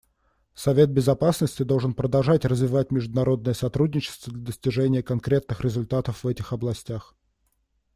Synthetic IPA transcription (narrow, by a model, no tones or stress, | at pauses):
sɐvʲe̞t̪̚bʲɪzɐpasnəsʲtʲɪd̪olˠʐɨnpɾəd̪ɐlˠʐatʲrəzvʲɪvatʲmʲɪʐd̪ʊnɐɾo̞d̪nəjəsɐt̪ɾudʲnʲɪt͡ɕɪ̥st̪vəd̪lʲəd̪əsʲtʲɪʐɛnʲɪjəkɐnkɾʲe̞t̪nɨxɾʲɪzʊlʲt̪at̪əfvɛtʲɪxɐblˠɐsʲtʲax